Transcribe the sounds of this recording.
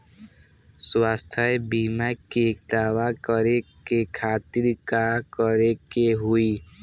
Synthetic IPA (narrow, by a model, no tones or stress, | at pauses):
swast̪ʰəebimakekd̪aːwakəɾekekʰat̪iɾkakəɾekeɦui